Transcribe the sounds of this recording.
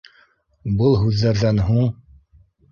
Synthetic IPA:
bɤlˠɦʉðːæɾðænɦuɴ

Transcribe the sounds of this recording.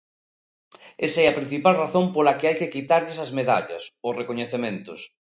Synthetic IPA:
esaɛɐpɾĩn̟θipalraθõmpolakɪajkekit̪aɾʎɪsɐzmeða̰ʎɐ̰sorekoɲeθemẽnt̪ʊ̰s

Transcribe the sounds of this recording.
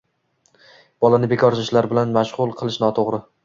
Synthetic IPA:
b̥ɒlˠanɪbe̞kʰɒɾt͡ʃʰɪʃlaɾbɪlanmaʃʁʊlˠqʰɨlˠɪʃnɒt̪ʰoʁɾɪ

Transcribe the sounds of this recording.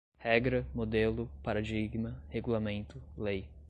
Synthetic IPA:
hɛɡɾɐmod̪elʊpaɾad͡ʒiɡmɐheɡulamẽnt̪ʊlej

